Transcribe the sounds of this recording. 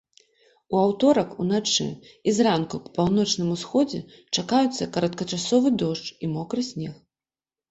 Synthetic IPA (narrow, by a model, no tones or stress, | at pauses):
uawt̪ɔɾɐkunat͡ʂɨ̰izrankuppawn̪ɔt͡ʂnɨmusxɔd͡zʲɛ | t͡ʂakajut̪sːɐkɐɾɐt̪kɐt͡ʂasɔvɨd̪ɔʂt͡ʂimɔkɾɨsʲnʲɛx